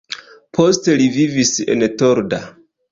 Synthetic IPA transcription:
pʰo̞ste̞livivise̞̰nto̞ɾda

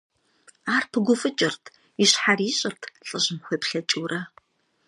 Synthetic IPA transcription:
aːrpʰɨɡʷʊfɨt͡ʃʼɪrtʰ | iɕħariːɕʼɪrtʰɬʼɨɕɪmxʷepɬɐt͡ʃʼuwrɐ

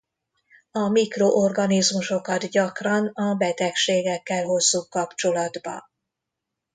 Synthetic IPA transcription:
ɒmikroʔorɡɒnizmuʃo̞kɒt̪ɟɒkrɒnɒbɛt̪ɛkʃeːɡɛkːɛlɦo̞zːuːkɒpt͡ʃo̞lɒd̪bɒ̰

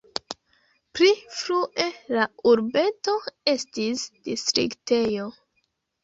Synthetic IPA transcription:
pɾifɾuʔe̞lauɾbe̞to̞e̞stisd̥istɾḭkte̞jo

